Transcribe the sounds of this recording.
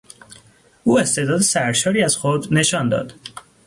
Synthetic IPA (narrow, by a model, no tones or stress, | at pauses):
ʔuːe̞st̪e̞d̪ɒːd̪e̞sæɾʃɒːɾiːæzxod̪ne̞ʃɒːnd̪ɒ̰ːd̪̥